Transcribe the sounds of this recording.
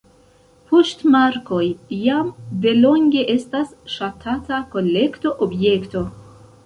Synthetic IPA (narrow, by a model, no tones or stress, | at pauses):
poʃtmaɾko̞jːamde̞lo̞ŋɡʲe̞ʔe̞stasʃatʰatako̞le̞kto̞ʔobje̞kto̞